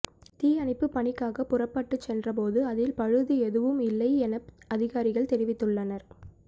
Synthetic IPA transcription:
t̪iːɐɳɪpːɯpːɐɳɪkːaːɣɐpːʊrɐpːɐʈːɯt͡ʃsɛndrɐp̬oːðɯɐðɪlpɐɻɯðɯɛðɯʋɯmɪlːɐɪɛnɐpɐðɪɣaːɾɪɣɐɭt̪ɛɾɪʋɪt̪ːɯɭːɐnɐɾ

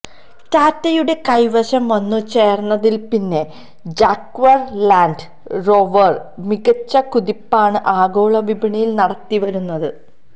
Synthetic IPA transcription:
taːtːɐjuɽe̞kɐjʋɐɕɐmʋɐnːut͡ɕe̞ːrnːɐðilpinːe̞ | d͡ʑaːkʋɐrlaːnɖɨ | ro̞ʋɐrmiɡɐt͡ɕːɐkuðipːaːɳɨʔaːɡo̞ːɭɐʋibʱiɳɐjilnɐɽɐt̪ːiʋɐɾunːɐðɨ

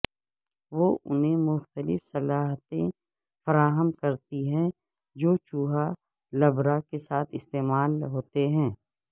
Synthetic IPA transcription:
ʋoːʔʊ̰nɦẽmʊxt̪əlɪ̰fsɐlaːɦt̪ẽ | fɐɾaːɦəmkɐɾt̪iɦɛ̃ | d͡ʒoːt͡ʃuːɦa | lɐbɾakesaːt̪ʰɪst̪eːmaːlɦoːt̪eɦɛ̃ː

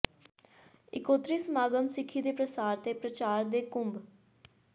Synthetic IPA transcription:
ɪ̰koːt̪ɾiːsmaːɡəmsɪkʰːiːd̪eːpɾəsaːɾt̪eːpɾət͡ʃaːɾd̪eːkʊmb

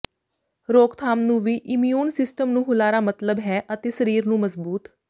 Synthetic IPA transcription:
ɾoːkt̪ʰaːmnũːʋiːʔɪmjuːnsɪsʈəmnũːɦʊlaːɾaːmət̪ləbɦɛːʔət̪eːsəɾiːɾnũːməzbuːt̪

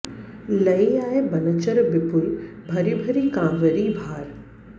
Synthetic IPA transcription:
lɐiaːebɐnət͡ɕəɾbɪpʊlbʱɐɾibʱɐɾikãːʋəɾibʱaːɾ

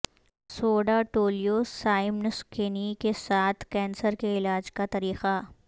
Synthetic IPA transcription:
soːɖaʈoːlijosaːɪmnskeːnikesaːt̪ʰkɛ̃ːnsəɾkeɪlaːd͡ʒkat̪ɐɾiːxa

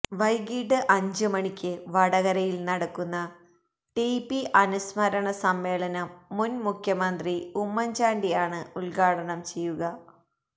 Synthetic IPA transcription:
ʋɐjɡiːʈːɨʔɐɲd͡ʑɨmɐɳikʲːɨʋɐɽɐɣɐɾɐjilnɐɽɐkːunːɐ | ʈipːiʔɐnusmɐɾɐɳɐsɐmːe̞ːɭɐnɐmːunmukʰjɐmɐnd̪riumːɐɲd͡ʑaːɳɖijaːɳɨuɭɡaːɽɐɳɐmt͡ɕe̞jːuɣɐ

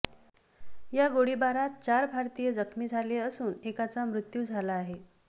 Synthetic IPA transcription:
jaɡoɽibaɾat̪̚t͡ɕaɾbʱaɾt̪ijəd͡zəkʰmiːd͡zʱaleəsuːnekat͡samɾut̪juːd͡zʱalaːɦe

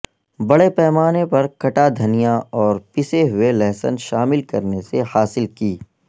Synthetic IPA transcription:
bɐɽepɛːmaːnepɐɾkɐʈad̪ʱɐnijãɔːɾpɪseɦʊelɛːsə̰nʃaːmɪlkɐɾnesehaːsɪlkiː

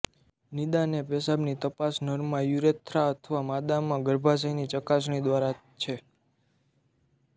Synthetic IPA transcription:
nid̪anepɛsabnit̪əpasnəɾmãjuɾet̪ʰɾaət̪ʰʋamad̪amːãɡəɾbʱas̬əinit͡ʃəkasɳ̃id̪ʋaɾa | t͡ʃʰe

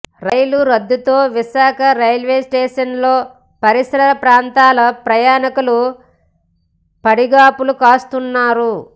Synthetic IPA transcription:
ɾɐjluɾɐd̪ːut̪o̞ːʋiʃaːkʰɐɾɐjlʋe̞ːsʈeːʂɐnlo̞ː | pɐɾisɾɐɾɐpɾaːnt̪aːlɐpɾɐjaːnɐkulu | pɐɽiɡaːpulukaːst̪unːaːɾu

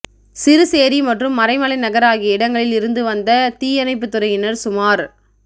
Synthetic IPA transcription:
sɪɾɯseːɾimɐʈrɯmːɐɾɐɪmɐɭɐɪnɐɣɐɾaːɣiɪɽɐŋɡɐɭɪlɪɾɯnd̪ɯʋɐnd̪ɐt̪iːjɐnɐɪp̬ːɯt̪ːɯɾɐɪjɪnɐɾsʊmaːɾ

